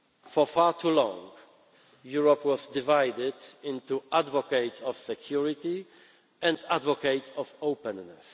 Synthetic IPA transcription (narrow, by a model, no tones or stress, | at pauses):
fɔfaɹt̪ʰulɔ̰̃ŋɡ | juɹɔpwɔzd̪ɪvajd̪ɪd̪ɪ̃nt̪uʔadvɔkeɪt̪sɔfsɛkʰjuɹɪt̪i | ʔɛ̃nd̪advɔkeɪt̪sɔvoʊpɛ̃nːɛs